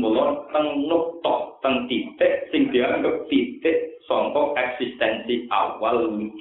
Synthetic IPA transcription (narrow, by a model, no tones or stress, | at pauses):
olɔnt̪əŋnok̚t̪ɔʔ̚t̪əŋt̪it̪eʔsiŋd̪̥iaŋɡəp̚t̪it̪eʔsɔŋk̪ɔk̚ʔɛk̚sist̪ɛnsiʔawalmi